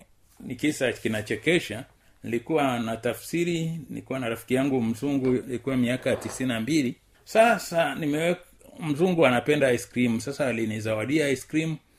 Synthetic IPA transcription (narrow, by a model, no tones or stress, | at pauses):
nikisakinat͡ʃɛkɛʃa | nilikuwanatafsiɾinilikuwanaɾafi̥kijaŋɡum̩zuŋɡunilikuwamiakajatisininambili | sasanimɛwɛk | m̩zuŋɡuanapɛndaiskɾimusasaːlinizawaɗiaiskɾimu